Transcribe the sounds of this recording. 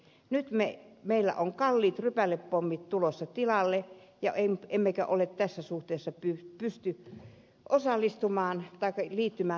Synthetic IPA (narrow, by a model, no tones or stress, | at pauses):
nyt̪memeilːæ̰ʔoŋkɑlːiːt̪rypælːeppomːit̪t̪ulosːɑt̪ilɑlːejɑʔememːekæ̰ʔolet̪t̪æsːæsuht̪eˑːsːɑpypyst̪y | ʔosɑlːˑist̪umɑːnt̪ɑˑikːɑliːt̪ːymæː